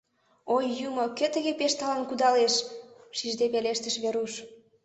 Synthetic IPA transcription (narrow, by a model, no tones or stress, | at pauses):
ojːumɤ̆køt̪ə̆ɣepeʃt̪ɑlɑnkud̪ɑleʃʃiʒd̪epeleʃt̪ə̆ʃβeɾuʃ